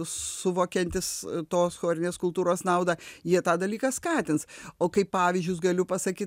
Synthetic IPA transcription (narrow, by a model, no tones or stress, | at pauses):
sʊʋoːkʲɛnʲt̪ʲɪst̪oːsxoːɾʲɪnʲeːskʊlˠt̪uːɾoːsnɐʊd̪ɑːjiɛt̪ɑːd̪ɐlʲiːkɐskɑːt̪ʲɪnsoːkɐɪppɑːʋʲɪzʲd͡ʒʲʊsɡɐlʲʊpɐsɐkʲiː